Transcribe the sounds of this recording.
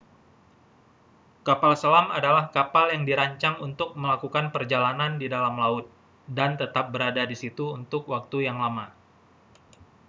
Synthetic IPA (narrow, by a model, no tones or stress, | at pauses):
kapalsəlamadalahkapaljaŋdiɾaɲt͡ʃaŋunt̪ʊk̚məlakukanpərd͡ʒalanandidalamlaʊt̪̚ | dant̪ət̪ap̚bəɾadadisit̪uunt̪ʊkwak̚t̪ujaŋlama